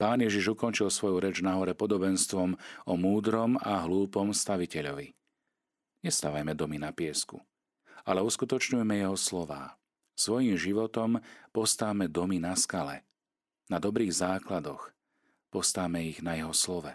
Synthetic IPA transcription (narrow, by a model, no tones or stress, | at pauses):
paːnjɛʒiʒukɔnt͡ʃilsʋɔjuɾɛd͡ʒnaɦɔɾɛpɔd̪ɔbɛnst̪ʋɔmɔmuːd̪ɾɔmaɦluːpɔmst̪aʋicɛʎɔʋi | ɲɛst̪aʋajmɛd̪ɔminapɪɛskṵ | alɛuskut̪ɔt͡ʃɲujɛmɛjɛɦɔslɔʋa̰ː | sʋɔjimʒiʋɔt̪ɔmpɔst̪aʋmɛd̪ɔminaskalɛ̰ | nad̪ɔbɾiːɣzaːklad̪ɔx | pɔst̪aʋmɛiɣnajɛɦɔslɔʋɛ